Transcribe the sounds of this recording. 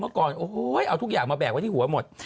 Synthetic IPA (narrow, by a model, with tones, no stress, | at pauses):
nɔː˨˦kɔː˨˧nʔo˧˦˧jʔa˧wt̪ʰk̚zaː˨˩ŋmaː˧˩ɓɛː˨˩k̚waː˨˦˩t̪ʰi˧hu˨˩˦ə˦mo˨˩t̚